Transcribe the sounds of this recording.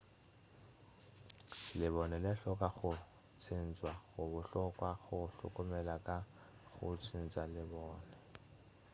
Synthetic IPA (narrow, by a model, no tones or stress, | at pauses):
lɪβɔnɛlɛɬɔkʼaɣʊ | t͡sʰɪn̩t͡sʼwaɣʊβʊɬɔkwaɣʊɬʊ̰kʼʊmɛlakʼa | ɣʊt͡sʰin̩t͡sʼalɪbɔːnɛ